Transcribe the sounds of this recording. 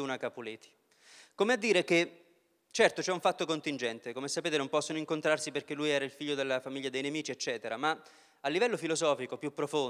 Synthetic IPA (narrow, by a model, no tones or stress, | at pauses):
unakapuleːt̪i̥ | komead̪ːiːɾek̟e | t͡ʃɛrt̪ot͡ʃɛuɱfat̪ːokont̪ind͡ʒɛnt̪ekomesapeːt̪enompɔsːonoiŋkont̪ɾarsiperk̟elːujɛːɾailfiʎːod̪elːafamiʎːad̪ejnemiːt͡ʃiet͡ʃːɛːt̪eɾama | alːivɛlːofilozɔːfikopjupːɾofon